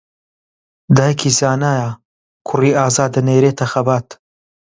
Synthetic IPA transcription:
d̪aːjɐkʰiːzaːnaːja | kʰʊriːaːzaːd̪ɐneːɾeːt̪ʰɐxɐbaːt̪

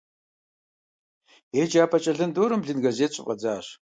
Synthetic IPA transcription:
eːd͡ʒaːpʰɐt͡ʃʼɐɮɨndoːɾɨmɮɨnɡɐzeːɕʼɪ̰qʼɐ̰d͡zaːɕ

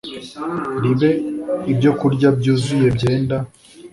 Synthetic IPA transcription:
ɾiβe̞ibɟo̞kuɾɟab̚ɟuːzuje̞bɟe̞ːnda

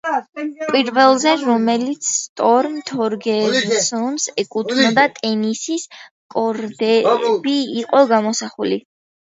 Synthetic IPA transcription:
kʼwiɾvɛlˠzɛɾɔmɛlit̪sʰt̪ʼɔɾmt̪ʰɔɾɡɛsɔnsɛkʼut̪ʰnɔd̪at̪ʼɛnisis | kʼɔɾd̪ɛbiːqʼɔɡamɔsaχulḭ

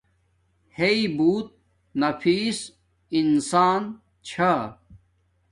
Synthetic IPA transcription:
heibuːt̪̚ | nɐfiːs | insaːn | t͡ɕʰa

